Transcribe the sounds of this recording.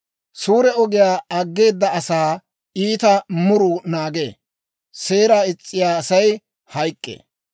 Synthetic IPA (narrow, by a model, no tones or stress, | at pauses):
suːɾɛɔɡɪjaːɐɡːe̞ːd̪ːɐɐsaː | iːt̪ɐmʊɾʊnaːɡḛː | se̞ːɾaːɪt͡sʼːɪjaːsɐj | hɐjkʼːḛː